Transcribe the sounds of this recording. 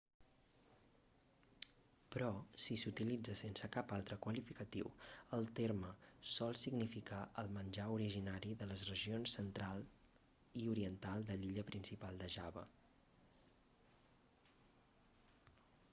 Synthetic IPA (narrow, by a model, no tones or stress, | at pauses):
pɾɔsisut̪ilid͡zəsensəkapalˠt̪ɾəkwəlifikət̪iwəlˠt̪erməsɔlˠsiɡnifikaʔəlˠmənʲʒauɾiʒinaɾiðələzrəʒionsːənt̪ɾalˠ | iuɾiənt̪alˠd̪əliʎəpɾinsipalˠd̪əʒaβə̰